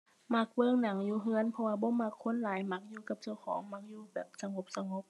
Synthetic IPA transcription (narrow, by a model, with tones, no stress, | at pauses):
ma˧˥˩k̚wɤː˧˨ŋna˨˦ŋjuː˧˦ɦɯ˧ə˨npʰɔ˧waː˧bɔː˧˦ma˧˥kʰːo˧˥˨nlaː˨˦jma˧˥k̚juː˧ka˧˦p̚t͡ɕa˧˩wkʰɔ̰ː˨˦ŋma˧˥k̚juː˧bɛː˨˩p̚sa˧ŋo˧˦p̚sa˧ŋo˧˦p̚